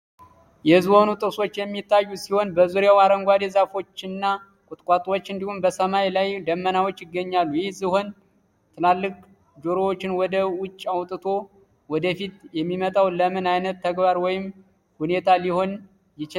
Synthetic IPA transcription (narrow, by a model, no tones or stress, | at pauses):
jɛɨzho̞nut̪ʼɨkso̞t͡ʃːjɛmːit̪ʰːajːusiho̞nbəzuɾjawaɾəŋɡʷad̪ezafo̞t͡ʃːɪnːa | kʼʊt̪ʼkʼat̪ʼwot͡ʃːɨnd̪ihumbəsəmajlajd̪əmːənawo̞t͡ʃːjɪɡːəɲːalːujɪhzɨho̞n | t̪ʰɨlalːɨk̚ʼ | d͡ʒoɾowot͡ʃːɪnwɔd̪əwʊt͡ʃʼːawt̪ʼɨt̪ʰo̞ | wɔd̪əfit̪jɛmːimət̪ʼawləmɨnajnət̪ʰːəɡbaɾwɔjɪm | hune̞t̪ʰaliho̞n | jɪt͡ʃɪ